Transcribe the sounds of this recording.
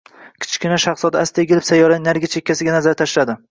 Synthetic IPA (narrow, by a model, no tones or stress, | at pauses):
kʲʰɪ̥t͡ʃkʲɪnaʃɑχsɒd̪ast̪ʰeɡʲɪlɪpsajɒɾanaɾɡʲat͡ʃʰekʲːasɪɡʲanazaɾt̪ʰaʃlad̪ɪ